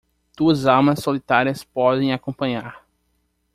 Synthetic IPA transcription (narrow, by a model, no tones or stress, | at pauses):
d̪̥uɐzawmɐsːolit̪aɾiɐspɔd̪ẽj̃akõpɐ̃ɲaɾ